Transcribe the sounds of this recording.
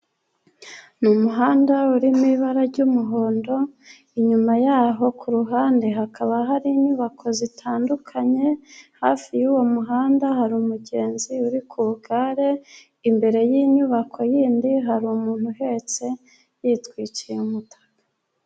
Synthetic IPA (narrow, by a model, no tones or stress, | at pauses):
numuɦaːndauɾimiβaɾaɾɟumuɦo̞ːndo̞ | iɲumajaːɦo̞kʰuɾuɦaːndeɦakʰaβaɦaɾiɲuβakʰo̞zitʰaːndukʰaɲe̞haːfijuwomuɦaːndaɦaɾuːmuɟe̞ːnziuɾikʰuuɡaɾe̞ | imbe̞ɾe̞jiɲuβakʰo̞jiːndiɦaɾumuːn̥huɦe̞t͡se̞ | jitkwiːt͡ʃijeumutʰḁkḁ